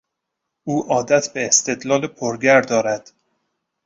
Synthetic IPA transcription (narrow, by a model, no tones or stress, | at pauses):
ʔuːʔɒːd̪æt̪ʰbeːst̪e̞d̪lɒːlepʰoɾɡæɾd̪ɒːɾæd̪̥